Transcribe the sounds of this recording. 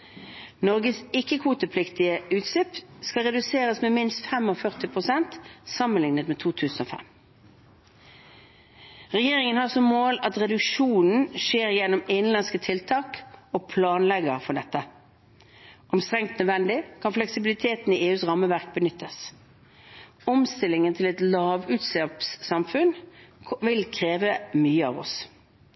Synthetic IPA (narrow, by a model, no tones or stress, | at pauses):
nɔʁɡəsɪkːəkʰuːt̪əpʰlɪkt̪ɪəʉːt̪slɪpskɑʁɛd̪ʉseːʁəsmeːmɪnst̪fɛmɔfœʁt̪ɪpʰʁʊsɛnt̪sɑmənlɪŋnət̪meːt̪ʰuːt̪ʰʉːsn̩oːfɛ̰m | ʁɛjeːʁɪŋənhɑːʁsɔmːoːlɑt̪ʁɛd̪ʉkʃuːnn̩ʃeːʁjɛnʊmɪnlɑnskət̪ʰɪlt̪ʰɑːkoːpʰlɑːnlɛɡəʁfɔɖɛt̪ːə | ʔɔmst̪ʁɛŋkt̪nœd̪ʋɛnd̪ɪkʰɑnflɛksɪbɪlɪt̪ʰeːt̪n̩iːʔeːʉːsʁɑmːəʋæʁk̚bənʏt̪ʰːəs | ɔmst̪ɪlɪŋənt̪ʰɪlɛt̪lɑːʋʉːt̪slɑpsːɑmfʉnʋɪlkʰʁeːʋəmyːəɑ̰ːʋɔ̰s